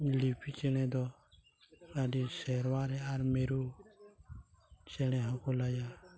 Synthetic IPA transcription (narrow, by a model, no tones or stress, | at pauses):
lipit͡ʃɛɽ̃ɛ̃d̪ɔ | adisɛɾwaɾɛaɾmeɾu | t͡ʃɛɽ̃ɛ̃ɦãkɔlaja